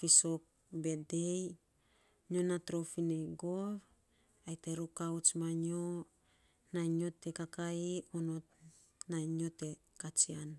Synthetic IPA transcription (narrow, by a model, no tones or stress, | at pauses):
fisok̚ | be̞dej | ɲonatɾofineɡov | ajteɾukawt͡ʃmaɲo | naɲo̞tekakaionot | naiɲo̞te | kat͡ʃian